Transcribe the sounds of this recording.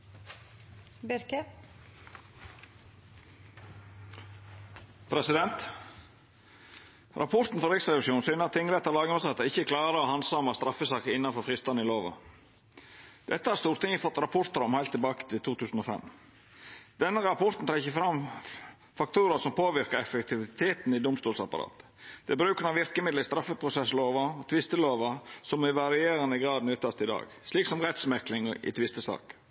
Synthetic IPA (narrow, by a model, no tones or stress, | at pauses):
bɪɾkɛ | pʰɾɛsɪd̪ɛnt̪ | ɾʔɑ̰pʰɔɾt̪n̩fɔɾɪksɾɛʋɪsʃuːn̩syːnəɾɑt̪ʰːɪŋːɾɛt̪ːɑɾlɑːɡəəsɑɑt̪əɪçːəkʰlɑːɾəoːhɑnsɑːmɑst̪ɾɑfːəsɑːkəɪnːɑnfɔɾfɾɪst̪ɑnəɪloːʋɑ̰ | d̪̥ɛt̪ːəhɑɾst̪uːɾt̪ɪŋəfɔt̪ːɾɑpʰɔɾt̪əɾɔmhæɪt̪ʰːɪlbɑːkə̥t̪ʰɪlt̪ʰuːt̪ʰʉːsn̩oːfɛ̰m | d̪̥ɛnːəɾɑpʰɔɾt̪n̩t̪ʰɑːɪçəfɾɑm | fɑk̚t̪ʰuːɾəsɔmpʰoːʋɪɾkəɾɛfəkt̪ʰɪʋɪt̪ʰeːt̪nɪd̪ʊmst̪uːlsɑpɑ̰ɾɑ̰ːt̪ | d̪̥ɛbɾʉːkənɑʋɪɾkəmɪd̪ləɾɪst̪ɾɑfːəpʰɾʊsɛsloːʋɑɔt̪ʰʋɪst̪əloːʋɑsɔmɪʋɑɾɪeːɾənəɡɾɑːd̪nʉːt̪ʰːɑst̪əɪd̪ɑ̰ːɡ | sliːksɔmɾɛt̪smɛklɪŋɪ̰t̪ʰʋɪst̪əsɑ̰ːk